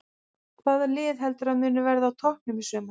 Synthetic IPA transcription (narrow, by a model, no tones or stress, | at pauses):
kʰvaːðɛɾlɪːðɦɛlt̪ʏɾaðmʏːnʏvɛɾðawt̪ʰɔhk̚nʏmɪsœːmḁ